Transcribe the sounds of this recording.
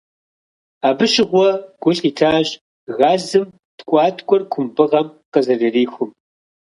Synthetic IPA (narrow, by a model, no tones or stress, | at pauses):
aːbɨɕɪʁʷɔɡ̥ʷʊɬiːtʰaːɕ | ɣaːzɨm | tkʷʼɑːtʰʼkʷʼɔrkʷʰʊmbɨʁɐmqəzɐrɨriːxʷʊm